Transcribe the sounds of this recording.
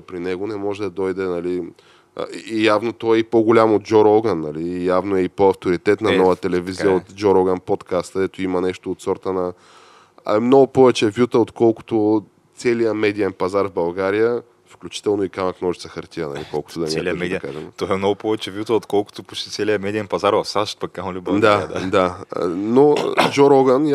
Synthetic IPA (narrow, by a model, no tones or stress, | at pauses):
pɾinɛɡonɛmɔʒɛd̪ɐd̪ɔjd̪ɛnɐlḭ | javnot̪ɔɛipoɡʊlʲamod̪̚d͡ʒɔɾɔɡənːɐliːjavnoɛipoɐft̪oɾit̪ɛt̪nɐnɔvət̪ɛlɛvizijəot̪d͡ʒɔɾɔɡənpɔt̪kʰast̪kd̪ɛt̪oimɐnɛʃt̪oːt̪sɔɾt̪ənɐ | ɛmnɔɡʊpɔvɛt͡ʃɛvjut̪əot̪kɔlˠkʊ̥t̪o | t̪sɛlijəmɛd̪iɛnpɐzaɾvbɐlˠɡaɾijə | fklʲut͡ʃi̥t̪ɛlˠnoikanɐk̪nɔʒit̪səxɐɾt̪iənɐ̰lḭkɔlˠkʊ̥t̪od̪ɐnʲɛlkaʒɛmt̪ɔɛmnɔɡʊpɔvɛt͡ʃɛvjut̪əot̪kɔlˠkʊ̥t̪ʊpu̥t͡ʃt̪it̪sɛliəmɛd̪iɛnpɐzaɾvɐfsaʃt̪̚pɐkːamolʲubd̪ad̪d̪a̰nod͡ʒɔɾɔɡən